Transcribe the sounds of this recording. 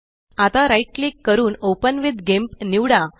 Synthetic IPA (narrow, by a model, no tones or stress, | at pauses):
at̪aɾajʈ̚liːkːəɾuːnopənʋid̪ɡempniwɽa